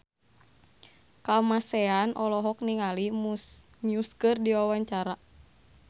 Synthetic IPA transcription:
kamasɛanʔɔlɔɦɔk̚niŋali | miuskɨrdiwawaɲt͡ʃaɾa

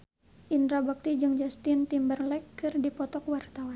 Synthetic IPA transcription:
ʔind̪ɾabak̚t̪id͡ʒɨŋd͡ʒast̪int̪imbərlɛkːɨrdipɔt̪ɔkwart̪awan

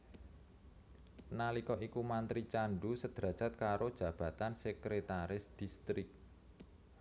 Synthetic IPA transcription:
nalikɔʔikumant̪ɾit͡ʃaɳɖusəd̪̥ɾa̤̥ʒ̥at̪̚kaɾod̥ʒ̥ä̤b̥a̤t̪ansəkɾet̪aɾɪsd̪̥ist̪ɾɪk̚

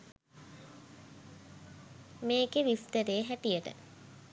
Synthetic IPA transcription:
meːkeʋist̪əɾeːɦæʈijəʈə̰

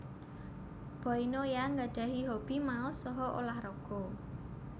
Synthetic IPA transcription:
b̥ɔ̤inojaŋɡaɖ̥ä̤ɦiɦob̥i̤mausɔɦɔʔo̰lahrɔɡ̥ɔ̤

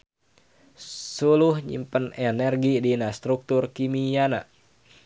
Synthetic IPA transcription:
suluhɲḭmpənɛnɛrɡidinast̪ɾuk̚t̪urkimijana̰

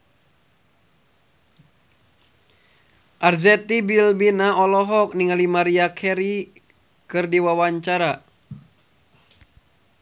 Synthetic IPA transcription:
ʔarzɛt̪ibilbinaʔɔlɔɦɔk̚niŋalimaɾiakʰɛɾi | kɨrdiwawaɲt͡ʃaɾa

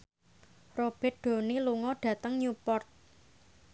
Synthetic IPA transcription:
rob̥ɛ̤t̪̚ɖ̪̥o̤niluŋɔɖ̥ä̤t̪əŋɲupɔrt̪̚

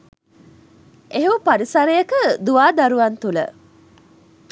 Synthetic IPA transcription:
eɦupaɾisɐɾejəkəd̪uʋaːd̪aɾuʋɐnt̪ulə̰

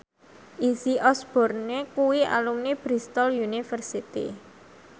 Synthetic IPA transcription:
ʔisiʔɔsb̥ɔ̤rnekuwiʔa̰lumnib̥ɾist̪ɔljunifərsit̪ḭ

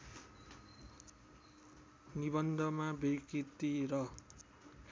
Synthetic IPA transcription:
nibʌnd̪ʱʌmabekit̪iɾʌ

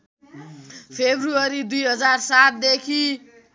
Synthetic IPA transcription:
pʰebʱruʌɾid̪ujɦʌd͡zarsat̪̚d̪ekʰi

